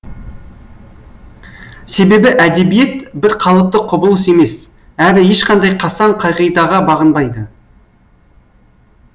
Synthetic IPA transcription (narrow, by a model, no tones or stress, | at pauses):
se̞be̞bɪʔæd̪e̞bije̞t̪bɪɾqʰɑlˠəp̚t̪əqʰʊbəlˠəse̞me̞s | ælɪje̞ʃqɑnd̪ɑjqʰɑsɑɴqʰɑjʁijd̪ɑʁɑbɑʁənbɑjd̪ə